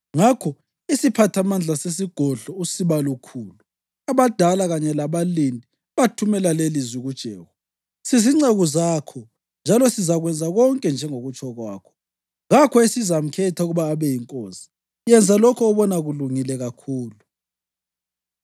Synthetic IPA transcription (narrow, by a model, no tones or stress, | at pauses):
ŋakʰɔ | isipʰatʰamand͡ɮʱases̬iɡ̥ʱɔɮɔusiβalukʰuːlu | aβad̥ʱalaɣaɲɛlaβalindʱi | βatʰumɛlalelizwiɣud̥ʒ̥ʱɛːɣɔ | siziŋ͡ǀeɣuzaːkʰɔ | nd͡ʒʱalɔsizaɣwɛnd͡zʱaɣɔŋkʼɛnd͡ʒʱɛŋoɣut͡ʃʼɔɣwaːkʰɔ̥ | ɣakʰɔesizam̩kʰɛtʰauɣuβaːβɛjiŋkʼoːsi̥ | jɛnd͡zʱalɔkʰɔːβɔnaɣuluŋilɛɣakʰuːlu